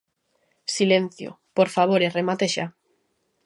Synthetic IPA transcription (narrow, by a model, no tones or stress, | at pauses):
silen̟θjo̰ | poɾfaβ̞oɾeremat̪eʃa